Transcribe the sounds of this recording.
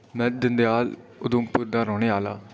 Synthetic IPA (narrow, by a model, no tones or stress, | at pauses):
mɛ̃ːd̪ɪnd̪eaːlʊd̪õːpʊɾd̪ãːɾɔːneːaːlaː